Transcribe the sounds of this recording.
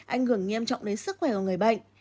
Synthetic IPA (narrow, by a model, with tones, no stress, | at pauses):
ʔa˧jŋ̟hɨ˧˩əŋŋɛ˧mt͡ɕɔ̰˧˨wŋ͡mɗe˨˦nsɨ˦˥k̚xwɛ˧˩a˨˩ŋ˨˩əjɓa̰˧˨jŋ̟